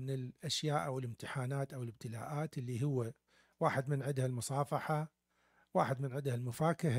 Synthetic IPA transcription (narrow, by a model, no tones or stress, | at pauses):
ɪnɪlʔaʃjaːʔawɪlɪmt̪ɪħaːnaːt̪ʔawɪlɪb̚t̪ɪla̰ːʔaːt̪ʔɪlːiɦʊwːa | waːħɪd̪mɪnʕɪd̪halmʊsˤɑːfɑħa | waːħɪd̪mɪnʕɪd̪halmʊfaːkɪɦa